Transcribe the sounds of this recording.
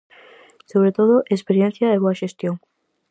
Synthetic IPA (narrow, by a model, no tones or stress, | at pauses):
soβɾet̪oðoʔespeɾjen̟θjaeβoɐʃest̪joŋ